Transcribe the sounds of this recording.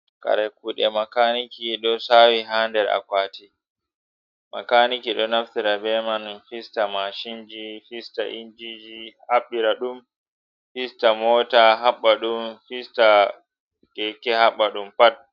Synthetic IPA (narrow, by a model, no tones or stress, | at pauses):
ka̰ɾakuɗɛmakaːnikiɗɔsaːwiɦandɛɾa̰kwaːti | ma̰kanikiɗɔnaftiɾabɛmanfistamaʃind͡ʒifista̰ʔind͡ʒid͡ʒihaɓːiɾaɗum | fistamɔːtaɦaɓːaɗumfista | kɛkɛhaɓːaɗumpat̚